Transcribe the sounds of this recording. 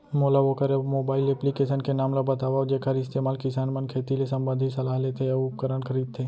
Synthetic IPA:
moːlaʋokəɾemoːbaːɪlɛplikeːsənkenaːmlabɐt̪aːʋad͡ʒekʰɐɾɪst̪eːmaːlkɪsaːnmɐnkʰeːt̪ilesɐ̃mbə̃nd̪ʱisɐlaːɦlet̪ʰejaʊp̚kəɾənkʰəɾiːd̪̚t̪ʰeː

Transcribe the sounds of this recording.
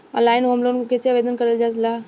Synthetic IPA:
ɐ̰laːɪnɦomlonkeseɐʋeːd̪ənkɐɾəld͡ʑaːs̬laː

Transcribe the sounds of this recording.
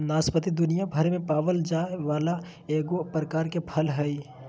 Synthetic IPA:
naːspət̪id̪ʊnijabʱəɾemẽpaːʋəld͡ʒaːeʋaːla | eːɡopɾəkaːɾkepʰəlɦɛi

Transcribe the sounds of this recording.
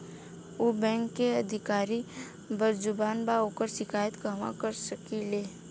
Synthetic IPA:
oːbɛ̃ːŋkːeəd̪ʱɪkaːɾi | bəɾd͡ʒʊbaːnbaoːkəɾsɪkʰaːjət̪kəmã̰kəɾsəkileː

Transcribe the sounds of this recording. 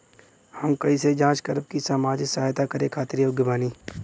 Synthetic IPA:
hɐmkɐised͡ʒãːt͡ʃkəɾəb̚kisamaːd͡ʒɪsɐːjt̪akɐɾẽkʰaːt̪ɪɾioɡɪbaːniː

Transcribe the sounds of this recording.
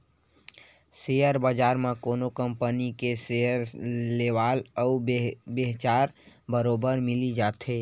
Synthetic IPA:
sejəɾbəd͡ʒaːɾmẽkoːnokəmpənikeseəɾleʋaːlɔubeɦt͡ʃaːɾbəɾoːbəɾmɪlid͡ʒaːt̪ɦeː

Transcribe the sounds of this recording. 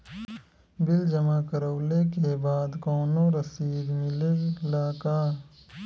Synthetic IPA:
bɪld͡ʒəmakəɾoːlek̬ebaːd̪kɔːnõɾəsiːɾmɪlelaːkaː

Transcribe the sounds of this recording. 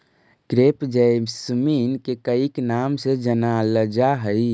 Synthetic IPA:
kɾepd͡ʒəmsəminkekəiknamsed͡ʒənaləd͡ʒaɦəi

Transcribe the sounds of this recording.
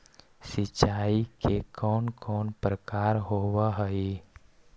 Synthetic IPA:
sɪt͡ʃaːikekɔːnkɔːnpɾəkaːɾɦoːwaɦəi

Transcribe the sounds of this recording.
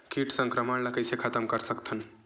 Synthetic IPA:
kiʈsəŋkɾəmənləkəsekʰat̪əmkəɾsəkt̪ʰən

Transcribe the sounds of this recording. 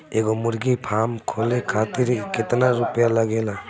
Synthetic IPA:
eɡɔmuɾɡipʰamkʰɔlekʰatiɾikʰetanaɾupijalaɡela

